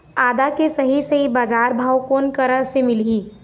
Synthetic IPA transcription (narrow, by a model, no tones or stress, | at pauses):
aːd̪akesɐɦisɐɦibaːd͡ʒaːɾbʱaːwkoːnkəɾəsemɪliː